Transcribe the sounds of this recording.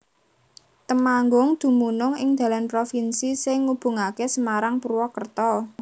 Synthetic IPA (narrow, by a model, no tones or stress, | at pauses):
t̪əmaŋɡʊŋd̪̥ṳmunʊŋɪŋd̪̥ä̤lanpɾofinsisɪŋːub̥ṳŋakesəmaɾaŋpɾuwɔkərt̪ɔ